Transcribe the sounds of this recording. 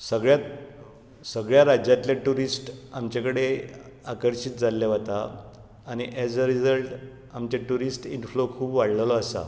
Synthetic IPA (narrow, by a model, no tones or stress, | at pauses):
səɡɭjat̪ | səɡɭjaɾad͡ʑjat̪laʈuɾisʈamt͡ɕakəɽe | akəɾɕit̪̚d͡zalːjaʋ̤at̪aː | ñiʔɛd͡zəɾid͡zəlʈ | amt͡ɕeʈuɾisʈinflokʰuːbʋaɽləlɔəsa̰